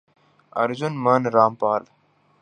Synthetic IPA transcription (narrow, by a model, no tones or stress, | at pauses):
ɐ̰ɾd͡ʑunmənɾaːmpaːl